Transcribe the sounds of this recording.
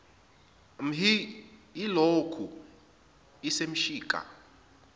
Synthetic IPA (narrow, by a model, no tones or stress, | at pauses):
m̩ɦiilokʰu | isem̩ʃiːkʼa̰